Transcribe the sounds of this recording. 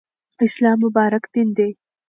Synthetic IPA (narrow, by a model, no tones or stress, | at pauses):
ɪslɑːmːʊbɑːɾakd̪ind̪e